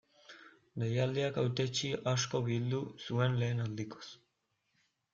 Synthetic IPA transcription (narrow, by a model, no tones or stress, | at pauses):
lejald̪iakawt̪et͡ʃiʔaʃkoβild̪usuenleːnald̪iko̥s